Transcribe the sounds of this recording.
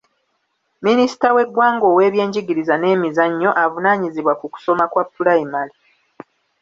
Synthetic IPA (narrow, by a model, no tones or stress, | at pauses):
minisi̥tawe̞ɡwaːŋɡo̞ːwe̞ːβje̞ːɲɟiɡiɾizane̞ːmizaɲːo̞ʔavunaːɲiziβwakuku̥so̞makwapːulaimali